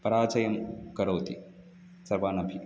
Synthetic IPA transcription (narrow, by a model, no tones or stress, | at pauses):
pɐɾaːt͡ʃɐjɐmkɐɾɐwt̪ḭ | sɐɾbaːnɐbʱi